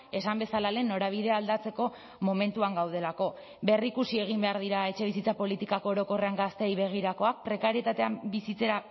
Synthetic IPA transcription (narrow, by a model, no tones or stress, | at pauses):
e̞sambe̞salale̞nːo̞ɾaβ̞iðe̞ald̪at͡se̞ko̞ | mo̞me̞nt̪uaŋɡawð̞e̞lako̞ | be̞rikusie̞ɣ̞imbe̞aɾðiɾae̞t͡ʃe̞βisit͡sapo̞lit̪ikako̞oɾo̞ko̞re̞aŋɡast̪e̞jβe̞ɣ̞iɾako̞ak̚pɾe̞kaɾie̞t̪at̪e̞ambisit͡se̞ɾa